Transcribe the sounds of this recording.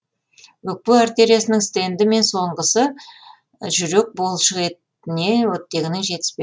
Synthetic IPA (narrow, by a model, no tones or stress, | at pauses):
wɵk̚pewaɾt̪ʲe̞ɾijasənəŋst̪e̞nd̪ɪme̞nso̞ɴʁəsə | ʒʏɾe̞k̚bo̞lˠʃəʁe̞t̪ | ɪne̞nwɵt̪ːe̞ɡʲɪnɪŋʒe̞t̪ɪ̥spe